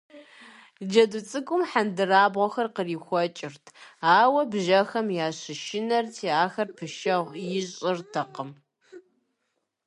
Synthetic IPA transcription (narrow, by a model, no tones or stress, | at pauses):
d͡ʒɐdut͡sʼɨkʷʼʊmħandɨraːbʁʷɔxɐrqəriːxʷɔt͡ʃʼɪrtʰaːwɐbʒɐxɐmjaːɕɪʃɪnɐrtʰiːaːxɐrpʰɨʃɐʁʷjɪɕʼɪrtʰɐqəm